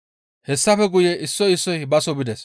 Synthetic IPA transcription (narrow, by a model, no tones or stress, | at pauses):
hɛsːɐfɛɡʊjɛʔɪsːɔjɪsːɔjbɐsɔbɪd̪ɛs